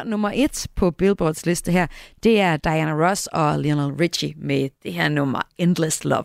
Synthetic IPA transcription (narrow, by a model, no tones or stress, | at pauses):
nɔ̽mɐʔe̝d̥pʰɒ̽b̥elb̥ɒːd̥slesd̥əɦæɐ̰d̥e̝æɐd̥ɑ̈ɪænəʁɒsɒ̽linælʁi̥ɕimed̥e̝ɦeæɐ̰nɔm̰ɐend̥ləslɒ̰ʋ